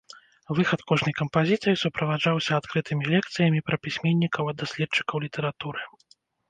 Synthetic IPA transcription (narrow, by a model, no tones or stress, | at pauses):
vɨxɐt̪kɔʐnɐjkɐmpazʲit̪sɨjisupɾɐvad͡ʐawsʲɐat̪kɾɨt̪ʰɨmʲilʲɛk̚t̪sɨjɐmʲipɾɐpʲisʲmʲɛnʲːikɐwɐd̪ːasʲlʲɛt̪t͡ʂːɨ̥kɐwlʲit̪ʰɛɾat̪uɾɨ